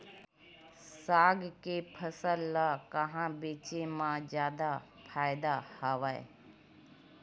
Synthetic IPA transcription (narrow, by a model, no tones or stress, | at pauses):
saːɡkepʰəsəlːakəɦãːbeːt͡ʃemãd͡ʒjaːd̪a | pʰaːɪd̪ahaːʋaḛ